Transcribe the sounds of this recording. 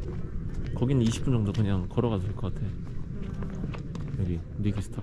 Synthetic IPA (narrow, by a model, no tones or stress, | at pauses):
kʌɡinɯniɕʰi̥p͈und͡ʑʌŋdokɯɲaŋkʌɾʌɡasʰosʰiɭk͈ʌk͈atʰe̞o | jʌɡi | ɾiɡʰisʰtʰa